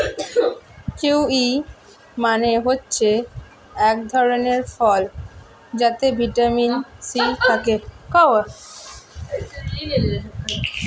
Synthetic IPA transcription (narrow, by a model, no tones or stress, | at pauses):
keuwi | maneɦotːɕʰe | ɛk̚d̪ʱɔɾoneɾfɔl | d͡ʑat̪ebʱiʈaminsit̪ʰakekɔwa